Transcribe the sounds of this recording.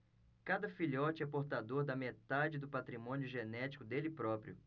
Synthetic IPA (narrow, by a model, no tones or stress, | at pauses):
kad̪ɐfiʎɔt͡ʃɪɛpoɾt̪ad̪oɾd̪ɐmet̪ad͡ʒɪd̪ʊpat̪ɾimõniʊʒenɛt͡ʃi̥kʊd̪elɪpɾɔpɾijʊ